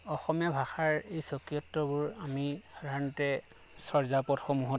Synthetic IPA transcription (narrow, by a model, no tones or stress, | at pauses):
ɔxɔmjabʱaxaɹejsɔkijɔtːɔbʊɹamixadʱaɹnɔtɛ | sɔɹzapɔtxɔmuɦɔ